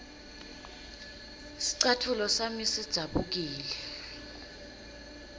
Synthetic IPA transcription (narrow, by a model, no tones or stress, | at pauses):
si̥ǀatʰulɔsamisid̥z̥ʱaɓuk̬iːlɛ